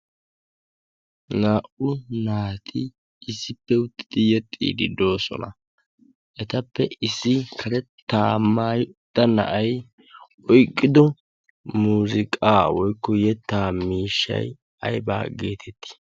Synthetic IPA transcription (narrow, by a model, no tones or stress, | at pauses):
naːʔʊnaːt̪ʰɪ | ʔɪsːɪpːɛʊt̪ːɪ̥d̪ɪjɛt̪ʼːḭːd̪ɪd̪o̞ːsɔ̰nɐ̰ | ʔɛt̪ɐpːɛʔɪsːɪkʰɐɾɛt̪ːaːmːaːjd̪̥ːɐnɐ̰ʔɐj | ɔjkʼːɪd̪ɔ | muːzɪkʼaːwɔjkːɔjɛt̪ːaːmiːʃːɐ̰j | ɐ̰jba̰ːɡeːt̪ʰɛt̪ːɪ̥